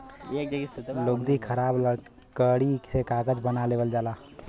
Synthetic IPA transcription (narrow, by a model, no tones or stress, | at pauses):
loːɡ̚d̪ikʰəɾaːb | kəɽisekaːɡəd͡ʒbənaleːʋəld͡ʒaːlaː